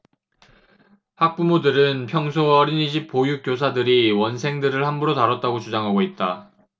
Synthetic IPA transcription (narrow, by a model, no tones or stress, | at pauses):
hak̚p͈umodɯɾɯnpʰjʌŋsʰoʌɾiniɕʰip̚p͈ojuk͈jos̬ʰadɯɾiwʌnsʰe̞ŋdɯɾɯɭhambuɾotaɾʌt̚t͈aɡot͡ɕud͡ʑaŋɦaɡoit̚t͈a